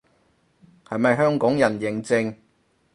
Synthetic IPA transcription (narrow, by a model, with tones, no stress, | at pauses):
hɐ˨jmɐ˨jɦœː˥ŋkɔː˨˥ŋjɐ˨˩njɪ˨˩ŋt͡sɪ˧ŋ